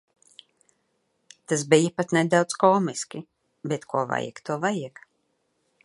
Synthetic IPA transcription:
t̪asbijapat̪nɛd̪awt̪skɔːmiskʲi | bet̪kuɔva̰jɛ̰kt̪uɔvajɛk

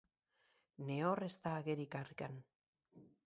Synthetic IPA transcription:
ne̞orest̪aːɣeɾikarkan

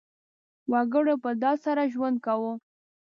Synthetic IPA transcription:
waɡəɽopəd̪ɑsaɾaʒwand̪̚kawo

